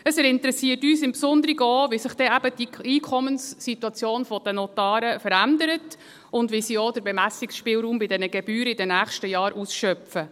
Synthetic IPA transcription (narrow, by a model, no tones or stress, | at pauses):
əsɛɾɪntəɾɛsiːətyːsɪmpsʊnd̪əɾiɡəɔʋisɪχd̥ɛæbəd̥iiːkʰɔmənsːituɑt͡sjoːnfɔd̥ənɔtɑːɾəfəɾændəɾət | ʊndʋisiɔd̥əɾbɛmæsiksʃpɪːlɾuːmbɪdɛnəɡɛbyːɾəɪdɛnæːχʃtəjɑːɾusʃœpfə